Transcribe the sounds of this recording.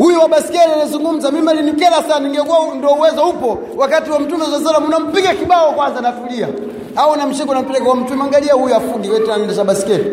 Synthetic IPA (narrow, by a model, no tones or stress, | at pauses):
hujuwaɓasi̥kɛɾianazuŋɡum̩zamimalinikɛlasaniŋɡɛkuandɔuwɛzɔhupɔ | wakatiwam̩tumɔzas̬alamunam̩piɡakiɓaɔkwanzanafilia̰ | auunam̩ʃikɔnam̩pɛlɛkɔwam̩tuɛmaŋɡaliahujuafuɗiwɛtinanɛndat͡ʃaɓasi̥kɛɾi